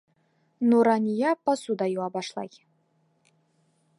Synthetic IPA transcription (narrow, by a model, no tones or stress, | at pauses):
nuɾanʲijɑpasud̪ɑjuɑbɑʃlˠɑ̰j